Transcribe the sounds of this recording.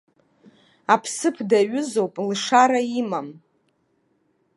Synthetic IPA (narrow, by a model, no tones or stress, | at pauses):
apʰsɨpʰdaɥʊzo̞wpʼlʂaɾaimam